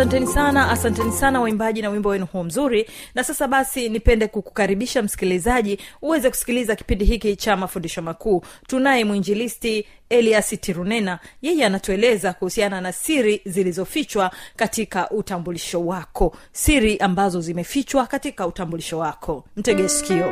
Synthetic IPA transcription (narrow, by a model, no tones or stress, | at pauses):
antɛnisanaasantɛnisanawaimbaʄinawimbɔwɛnuhuɔm̩zuɾinasasaɓasinipɛndɛkuku̥kaɾiɓiʃam̩si̥kilizaʄiuwɛzɛku̥si̥kilizaki̥pindiɦikit͡ʃamafundiʃɔmakuːtunaɛmwiɲd͡ʒilisti | ɛliasitʰiɾunɛnajɛjɛanatuɛlɛzakuhusiananasiɾizilizɔfit͡ʃwakatikaʔutambuliʃɔwakʰɔ | siɾiʔambazɔzimɛfit͡ʃwakatikautambuliʃɔwakʰɔm̩tɛɠɛsi̥kiɔ